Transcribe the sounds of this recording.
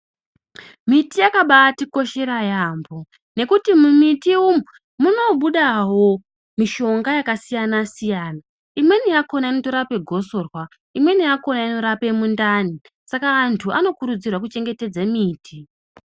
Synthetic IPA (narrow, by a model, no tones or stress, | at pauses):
mitijakaɓaːtiko̞ʃe̞ɾajaːmbo̞ | ne̞kutimumitiumu | muno̞ɓuɗaɦo̞ | miʃo̞ŋɡajakasijanasijaːna | imwe̞nijako̞nainotoɾape̞ɡʱo̞so̞ːrwa | imwe̞nijako̞naino̞ɾape̞mundani | sakaːntʰuano̞kuɾud͡zirwak̬ut͡ʃe̞ŋɡe̞te̞d͡zamiːti